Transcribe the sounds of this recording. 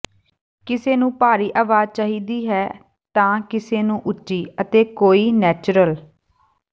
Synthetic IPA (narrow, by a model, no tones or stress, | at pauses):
kɪseːnũːpaːɾiːʔaːʋaːd͡ʒ̚t͡ʃaːɦiːd̪iːɦɛː | t̪ãːkɪseːnũːʔʊtːʃiːət̪eːkoːiːnɛːt͡ʃɾəl